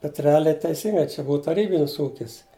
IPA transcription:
bʲɛt rʲɛˈɑːlʲɛɪ tʲɛɪˈsʲiːŋɡɐɪ t͡ʃʲɛ ˈbuːɐ tɐˈrʲiːbʲɪnʲɪs ˈuːkʲɪs

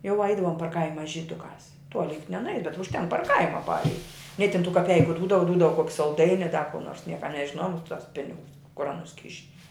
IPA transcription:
jɛʊ ˈɐɪdɐʋoːm pɐr ˈkɐɪmɐ ʒʲiːˈdʊkɑːs ˈtuɔlʲɪ jʊk nʲɛnʊˈɛɪ bʲɛt ʊʃʲˈtʲɛŋk pɐr ˈkɐɪmɐ ˈpɑːrʲɛɪtʲ nʲɪ tʲɪn tuː kɐˈpʲɛɪkʊ ˈduːdɐʋɐ ˈduːdɐʋɐ kuɔkʲ sɐlˠˈdɐɪnʲɪ ɐ dɐ kʊ noːrs ˈnʲiɛkɐ nʲɛʒʲɪˈnoːjoːm ˈɑːpʲɪ toːs ˈpʲɪnʲɪɡʊs kʊr ɐˈnʊs ˈkʲɪʃʲɪ

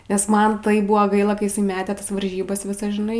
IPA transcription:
nʲɛs ˈmɐn ˈtɐɪp ˈbʊʋoː ˈɡɐɪlˠɐ kɐɪ jɪˈsɐɪ ˈmʲæːtʲeː ˈtɐs ʋɐrʲˈʒʲiːbɐs ˈʋʲɪsɐs ʒʲɪˈnɐɪ

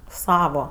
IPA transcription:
ˈsɑːʋoː

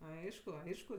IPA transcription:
ˈɐɪʃkʊ ˈɐɪʃkʊ

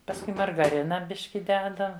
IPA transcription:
pɐsˈkʊɪ mɐrɡɐˈrʲɪnɐ ˈbʲɪʃʲkʲɪ ˈdʲæːdɐ

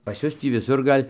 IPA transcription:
pɐs ˈjʊs tʲiː ʋʲɪˈsʊr ˈɡɐlʲ

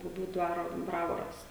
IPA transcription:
bʊˈbʲuː ˈdʋɑːroː ˈbrɑːʋoːrɐs

